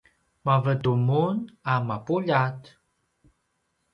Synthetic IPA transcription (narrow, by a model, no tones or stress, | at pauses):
mavədumunamapuʎat